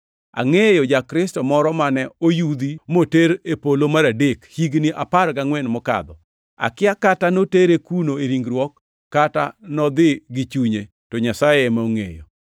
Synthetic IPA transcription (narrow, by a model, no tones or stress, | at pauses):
a̰ŋejod͡ʒakɾɪstɔmɔɾɔmanɛojud̪imoteɾepolomaɾadekhiɡniʔapaɾkaŋwɛnmɔka̰d̪ɔ | a̰kɪakatanoteɾekunoeɾiŋɡɾwɔkː | ata̰nɔd̪ɪɡɪt͡ʃuɲe | tɔɲasajemaoŋḛjo̰